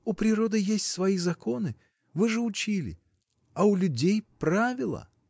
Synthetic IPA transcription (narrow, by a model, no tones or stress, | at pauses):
ʊpɾʲɪɾo̞d̪ɨjesʲtʲsvɐizɐko̞nɨ | vɨʐɨʊt͡ɕilʲɪ̰ | ɐʊlʲʉdʲejpɾavʲɪlˠə̰